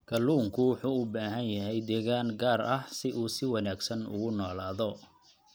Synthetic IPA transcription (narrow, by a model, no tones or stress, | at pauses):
ɡ̥ʰɐlːuːŋkʰʊwʊħuːʊbaːɦɐnjɐɦɛjd̪ɛːɣaːŋɡaːrɐhsɪʔuːsɪwɑnaːɡsɐnʊ̰ɣʊnɔːlaːðɔ